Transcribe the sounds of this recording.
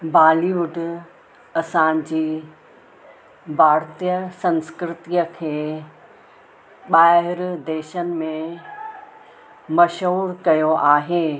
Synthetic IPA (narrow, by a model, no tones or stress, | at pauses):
bʱaːliʋʊɖʊ | ɐsãd͡ʑiː | bʱaːɾt̪ijəsɐ̃nskɾɪt̪iəkʰeː | ɓaːɦɦɪɾd̪eːʃənɪ̆mẽ | mɐʃɦuːɾkɐjoʔaːɦeː